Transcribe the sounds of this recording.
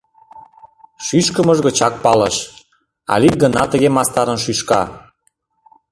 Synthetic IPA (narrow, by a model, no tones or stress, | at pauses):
ʃyʃkəmə̆ʒɣə̆t͡ɕɑk̚pɑlə̰ʃ | ɑ̰lik̚ɡə̆nɑt̪ə̆ɣemɑst̪ɑɾənʃyʃkɑ̰